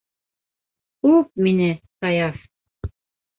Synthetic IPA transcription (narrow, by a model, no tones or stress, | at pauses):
up̚minɘsɑjɑf